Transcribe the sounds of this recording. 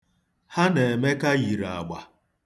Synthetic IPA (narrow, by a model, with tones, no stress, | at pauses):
ha˦ne˨e˨me˦ka˦ɣi˨ɾa̰˨ɡ͡ba˨